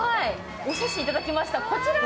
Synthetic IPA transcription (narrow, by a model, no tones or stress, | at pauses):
hai | oɕaɕiit̪ad̪akʲimaɕi̥t̪ako̞t͡ɕiɾa